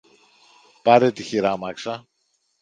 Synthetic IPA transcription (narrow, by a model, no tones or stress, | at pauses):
pɐɾet̪içiɾɐmɐksɐ